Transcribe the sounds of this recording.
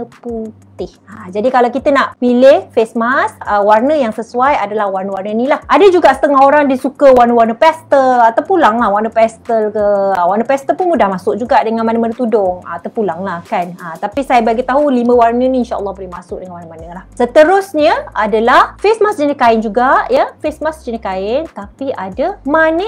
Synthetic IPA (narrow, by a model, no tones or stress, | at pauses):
əput̪ɪhad͡ʒadikalawkit̪ənaʔpilɪhfesmasəwarnəjaŋsəsuajadalahwarnəwarnəinilahʔadəd͡ʒuɡaʔsə̥t̪əŋaɦoɾaŋdisukəwarnəwarnəpɛst̪əlt̪əpulaŋlahwarnəpɛst̪əlkəəwarnəpɛst̪əlpʊnmudahmasʊk̚d͡ʒuɡaʔdəŋãnmanəmanət̪udʊŋə̰t̪ərpulaŋlahkanət̪apisajabaɡit̪aɦulimə̃warnəniinʃaʔə̰lˠːɑhbəlihmasʊk̚dəŋãnwarnəmanəlahsət̪əɾʊsɲəadalahfesmasd͡ʒənikaɪnd͡ʒuɡaʔjəfesmasd͡ʒənikaɪnt̪apiʔadamanə